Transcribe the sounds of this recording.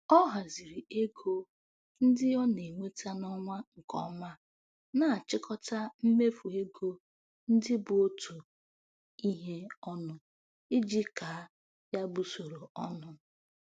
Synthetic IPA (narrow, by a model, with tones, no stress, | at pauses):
ɔ˦ɦa˨zi˨ɾi˨e˦ɡo˦ | n̩˦dɪ˦ɔ˦ne˨ŋʷe˦tʰa˦nɔ˦ŋʷa˦ŋ̩˨kɔ̰˦ma˦ | na˨t͡ʃɪ˦kʰɔ˦ta˦m̩˦me˦fu˨e˦ɡo˦ | n̩˦dɪ˦bʊ˨o˦tu˨ | i˦ɦe˦ɔ˦nʊ˨ | ɪ˦d͡ʒi˦ka˨˦ | ja˦bu˨so˨ɾo˨ɔ˦nʊ˦